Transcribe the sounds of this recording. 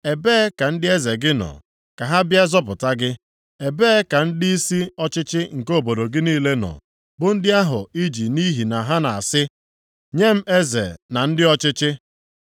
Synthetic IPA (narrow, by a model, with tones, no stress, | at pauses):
e˨beː˦ka˨n̩˦dɪ˦e˦ze˨ɡɪ˦nɔ̰˨ | ka˨ɦa˦bja˦zɔ˦p̬ʊ˨ta˦ɡɪ˦ | e˨beː˦ka˨n̩˦dɪ˦i˦si˦ɔ˦t͡ʃɪ˦t͡ʃɪ˦ŋ̩˨ko˦˨bo˨do˨ɡɪ˦niː˦le˦nɔ̰˨ | bʊ˨n̩˦dɪ˦a˦ɦʊ˨i˦d͡ʒi˨ni˦ɦi˨na˨ɦa˦na˨a˨sɪ˦ | ɲe˦m̩˦e˦zḛ˨na˨n̩˦dɪ˦ɔ˦t͡ʃɪ˦t͡ʃɪ˦